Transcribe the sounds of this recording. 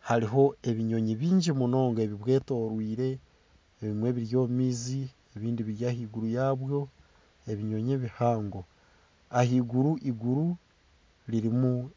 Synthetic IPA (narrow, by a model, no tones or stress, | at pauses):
haɾiɦo̞e̞βiɲo̞ɲiβiːɲɟimuno̞ːŋɡoe̞βiβwe̞ːto̞ːɾwiːɾe̞ː | βimwe̞βiɾjo̞ːmiːzi | eβiːndiβiɾjaːhiːɡuɾujaːβjo̞ | eβiɲo̞ɲeβihaːŋɡo̞ | ahiːɡuɾuʔiɡuɾu | liɾimu